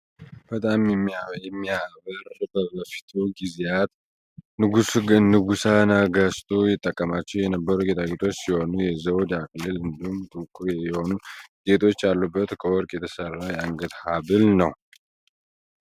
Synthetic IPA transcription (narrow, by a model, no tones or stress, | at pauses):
b̥ət̪ʼamjɛmːiajɛmːiaβəɾbəbəfi̥t̪ʰuɡizeat̪ | nɨɡusnɨɡusanaɡəst̪ʰʼujɛt̪ʼːəkʼːəmat͡ʃːɛwjɛnəbːəɾuɡet̪ʰaɡet̪ʰo̞t͡ʃːsiho̞nujɛzəwd̪akʼlɨlɨnd̪ihumt̪ʼɨkʼːuɾjɛjɛho̞nuɡ̥e̞t̪ʰo̞t͡ʃːalːubːət̪kʰəwɔɾkʼjɛt̪ʰəsərːajɛaŋɡət̪haβɨlnəw